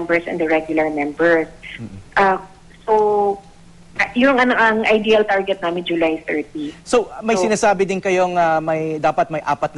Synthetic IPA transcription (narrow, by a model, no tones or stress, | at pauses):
mbɛɹsɛ̰nd̪ɐɹɛɡjʊlɐɹmɛmbɛɹsʔɐ | so | jʊŋʔɐnoʔɐŋʔɐjd̪iːɐlt̪aɹɡɛt̪̚naːmɪnd͡ʒʊlajθɛɹt̪̚isomɐjsɪnaːsaːbɪd̪ɪnkɐjo̞ŋɐmɐjd̪aːpɐt̪̚mɐjʔaːpɐt̪̚n